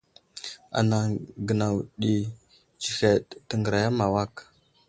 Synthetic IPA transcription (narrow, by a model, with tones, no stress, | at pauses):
a̰˨na˨ɡə˨na˨wɗi˨ | t͡ʃi˨xe˨ɗtə˨ŋɡə˨ɾa˨ja˦ma˨wa˦k